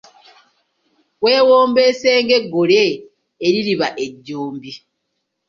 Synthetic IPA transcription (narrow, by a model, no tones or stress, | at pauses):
weːwoːmbeseːŋɡeɡoɾeː | ɾiɾiβaʔeɟːoːmbi